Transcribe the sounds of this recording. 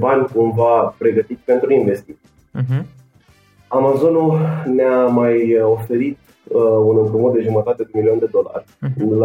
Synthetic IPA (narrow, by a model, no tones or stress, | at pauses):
banʲkumvapɾe̞ɡət̪it̪sʲpe̞nt̪ɾuinve̞st̪it̪sʲi | amazo̞nulneamajo̞fe̞ɾit̪ | unɨmpɾumot̪d̪e̞ʒumət̪at̪e̞d̪emilio̞nd̪e̞d̪o̞la̰rʲl